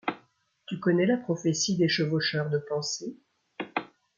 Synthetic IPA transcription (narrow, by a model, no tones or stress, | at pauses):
t̪ykɔnɛlapχɔfesid̪eʃəvoʃœʁd̪əpɑ̃se